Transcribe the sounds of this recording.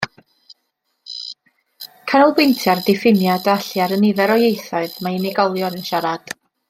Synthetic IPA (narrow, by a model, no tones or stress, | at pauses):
kʰanulˠbwejntʰjardɪfɪmjadaɬjaɾənɪðɛɾɔjejθaɨðmaɪnɪɡɔlˠjɔɾənʃaɾad̥